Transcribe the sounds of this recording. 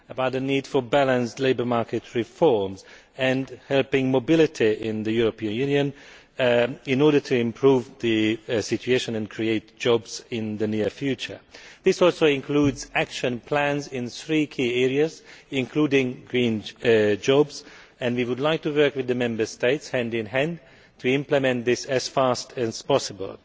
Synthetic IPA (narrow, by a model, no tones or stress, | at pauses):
əbaʊt̪̚ðəniːd̥fə˞bælə̃nsleɪbə˞mɑɹkɨtʰɹɪfɔɹmz | ɨ̃nhɛlpɪ̃ŋmobɪlˠɪtʰiɪ̃nðɨjuɹəpĩɨ̃njʉ̃njɨ̃n | ɪ̃nɔɹɾətʰɨɪ̃mpʰɹ̥uːvðɨsɪt͡ʃueɪʃə̃nɨ̃nkʰɹ̥ieɪt̚d̥d͡ʒ̥ɔbz̥ɪ̃nðɨnɪfjʉt͡ʃə̰˞ðɪsɔlˠsoʊɪ̃nkʰl̥uːdzækʃə̃npʰl̥æ̃nzɪ̃nθɹikʰiɛɹiɨzɪ̃nkʰl̥udɪ̃ŋɡɹĩnd͡ʒɔbz̥ | ɨ̃nwiwədˡlaɪk̚tɨwɜ˞kwɨðɨmɛ̃mbə˞steɪtshæ̃ndɪ̃nɦæ̃nd | tʰɨɪ̃mplɨmɛ̃nðɪsɨz̥fastʰɨz̥pɔsəbə̰lˠ